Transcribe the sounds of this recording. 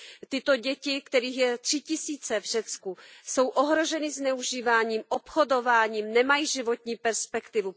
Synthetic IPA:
t̪ɪt̪o̞ɟɛcɪkt̪ɛɾiːxjɛt̪r̝̥ɪcɪsiːt͡sɛvr̝̥ɛt͡skuso̞wʔoɦɾo̞ʒɛnɪznɛuʒiːvaːɲiːmʔopxo̞do̞vaːɲiːmnɛmajiʒɪvo̞t̪ɲiːpɛɾspɛkt̪ɪvu

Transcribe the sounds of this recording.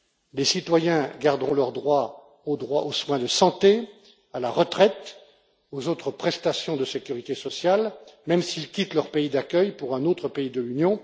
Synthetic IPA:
lesit̪wajɛ̃ɡaʁd̪ʁɔ̃lœʁd̪ʁwa | od̪ʁwaʔoswɛ̃d̪əsɑ̃t̪e | alaʁət̪χɛt̪ | ozot̪χəpχɛst̪asjɔ̃d̪əsekʲyʁit̪esɔsjalmɛmsilkʲit̪lœʁpeid̪akʲœjpuʁɛ̃not̪χəpeid̪əlynjɔ̃

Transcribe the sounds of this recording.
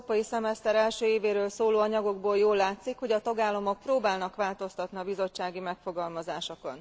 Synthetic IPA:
pɒjisɛmɛst̪ɛɾɛlʃøːeːveːɾøːlsoːloːɒɲɒɡo̞ɡboːljoːlːaːt̪sikho̞ɟɒt̪ɒɡaːlːɒmo̞k̚proːbaːlnɒkʋaːlt̪o̞st̪ɒt̪niɒbizo̞t͡ʃːaːɡimɛkfo̞ɡɒlmɒzaːʃoko̞n

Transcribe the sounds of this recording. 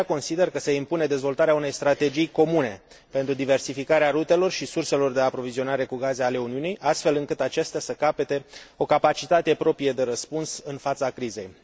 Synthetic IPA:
ako̞nsid̪e̞rkəse̞impune̞d̪e̞zvo̞lt̪aɾeaune̞jst̪ɾat̪e̞d͡ʒijko̞mune̞ | pe̞nt̪ɾud̪ive̞rsifikaɾeaɾut̪e̞lo̞rʃisurse̞lo̞rd̪e̞apɾo̞vizio̞naɾe̞kuɡazeale̞uniunijʔast̪fe̞lɨŋkɨt̪at͡ʃest̪easəkape̞t̪e̞o̞kapat͡ʃit̪at̪e̞pɾo̞pɾijed̪e̞ɾəspunsɨnfat̪sakɾize̞j

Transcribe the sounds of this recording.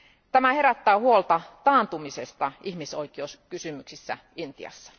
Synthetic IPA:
t̪æmæhe̞ɾæt̪ːæːhuolt̪ɑt̪ɑːnt̪umisest̪ɑʔiçmiso̞ik̟iouskysymyksisːæ̰ | int̪ḭɑ̰sːɑ̥

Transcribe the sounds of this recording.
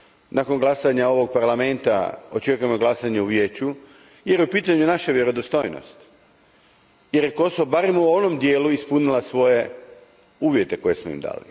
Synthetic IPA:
nʔako̞nɡlasaɲao̞ʋo̞ɡ̚paɾlame̞nt̪a̰o̞t͡ʃe̞kuje̞mo̞ɡlˠasaɲeuʋje̞ːt͡ɕu | jeɾjeupiːt̪aɲunaʃaʋje̞ɾo̞d̪ost̪o̞ːjno̰st̪ | je̞ɾje̞ko̞soʋobaɾemuo̞no̞md̪jeːluispunilasʋo̞je | uːʋje̞t̪e̞ko̞je̞smoḭmd̪a̰ːlḭ

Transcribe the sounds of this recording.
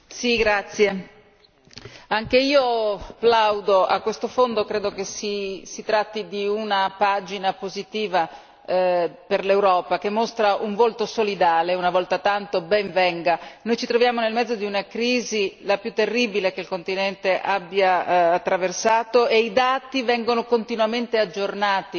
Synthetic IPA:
siɡɾat̪sːje | aŋkeiːoplawd̪oʔa̰kːwest̪ofond̪okɾeːd̪okesisit̪ɾat̪ːid̪iunapad͡ʒinapozit̪iːva | perlewɾɔːpak̟emːost̪ɾaʔuɱvolt̪osolid̪aːleunavɔlt̪at̪ant̪obɛɱvɛŋɡanojt͡ʃit̪ɾovjaːmonelmɛd̪zːod̪iunakɾiːzilapjut̪ːerːibilek̟eilkont̪inɛnt̪eʔabːjaːt̪ːɾaversaːt̪oʔeid̪aːt̪ivɛŋɡonokont̪inuament̪ead͡ʒːornaːt̪i

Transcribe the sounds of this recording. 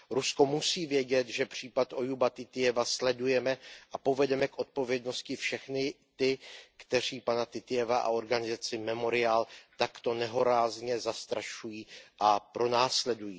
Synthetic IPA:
ɾusko̞musiːvjɛɟɛt̪ʒɛpr̝̥iːpat̪ʔo̞jubat̪ɪt̪ɪjɛvaslɛdujɛmɛʔapo̞vɛdɛmɛkʔo̞t̪̚po̞vjɛdno̞scɪfʃɛxnɪ | t̪ɪkt̪ɛr̝iːpanat̪ɪt̪ɪjɛvaʔa̰o̞ɾɡanɪzat͡sɪmɛmo̞ɾɪaːlt̪akt̪o̞nɛɦo̞ɾaːzɲɛzast̪ɾaʃujiːʔapɾo̞naːslɛdujiː

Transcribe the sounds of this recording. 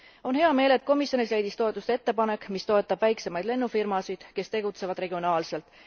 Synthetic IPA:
o̞nhe̞ɑme̞ːle̞t̪̚ːˑko̞misjo̞nisle̞jd̪ist̪o̞e̞t̪ːˑust̪ee̞t̪ːepɑne̞kːˑmist̪o̞et̪ːˑɑb̥væjkse̞mɑjd̪le̞nːufirmɑsid̪̥ke̞st̪e̞ɡut̪se̞vɑd̪re̞ɡ̥io̞nɑːlse̞lt̪ˑ

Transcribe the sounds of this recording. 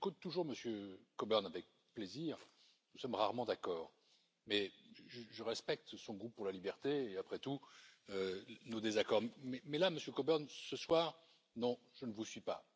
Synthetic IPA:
kot̪t̪ːuʒuʁməsjøkɔbœʁnavɛk̚ | pleziːʁ | nusɔmʁaʁmɑ̃d̪akɔːʁ | mɛʒəʒəʁɛspɛk̚t̪sɔ̃ɡupuʁlalibɛʁt̪eːapχɛt̪uønod̪ezakɔʁmmɛmɛlaməsjøkɔbœʁnsəswaːʁ | nɔ̃ | ʒ̥ənəvusɥipa̰

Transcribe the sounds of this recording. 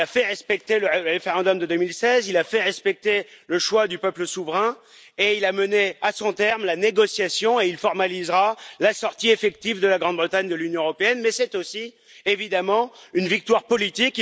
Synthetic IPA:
afɛʁɛspɛk̚t̪eləʁeʁefeʁɑ̃d̪ɔmd̪əd̪ømilsɛzilafɛʁɛspɛk̚t̪eləʃwad̪ypœpləsuvʁɛ̃ | eilaməneasɔ̃t̪ɛʁmlaneɡɔsjasjɔ̃eilfɔʁmalizʁalasɔʁt̪iefɛk̚t̪ivd̪əlaɡʁɑ̃d̪bʁət̪aɲd̪əlynjɔ̃əʁɔpeɛnmɛsɛt̪osi | evid̪amɑ̃ynvik̚t̪waʁpɔlit̪ik

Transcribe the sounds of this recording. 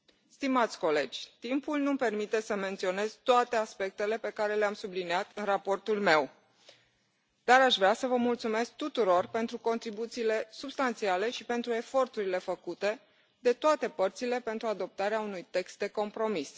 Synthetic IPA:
st̪imat̪sʲko̞le̞d͡ʒʲt̪impulnumpe̞rmit̪e̞səme̞nt̪sio̞ne̞z̥t̪oat̪e̞aspe̞k̚t̪e̞le̞pe̞kaɾe̞leamsubliniat̪ɨnrapo̞rt̪ulme̞w | d̪̥aɾaʃvɾasəvəmult̪sume̞sk̚t̪ut̪uɾo̞rpe̞nt̪ɾuko̞nt̪ɾibut̪siːle̞subst̪ant̪siale̞ʃipe̞nt̪ɾue̞fo̞rt̪uɾile̞fəkut̪e̞ | d̪e̞t̪oat̪e̞pərt̪sile̞pe̞nt̪ɾuad̪o̞p̚t̪aɾeaunujt̪e̞kst̪̚d̪e̞ko̞mpɾo̞mis

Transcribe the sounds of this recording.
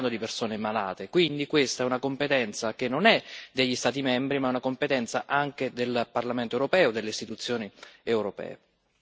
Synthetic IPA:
nd̪od̪ipersoːnemala̰ːt̪ekwind̪ikwest̪aɛunakompet̪ɛnt̪sak̟enːonɛd̪eʎːist̪aːt̪̬imɛmbɾimaɛunakompet̪ɛnt̪saʔaŋk̟ed̪elparlament̪oewɾopɛːod̪elːeist̪it̪ut̪sːjoːniewɾopɛ̰ːe

